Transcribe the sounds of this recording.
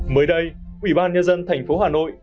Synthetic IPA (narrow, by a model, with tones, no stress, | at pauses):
məː˨˦jɗə˧jʔwi˧˩ɓaː˧nɲə˧nzə˧nt̪ʰɛ˨˩jŋ̟fo˨˦ɦaː˨˩no̰˧˨j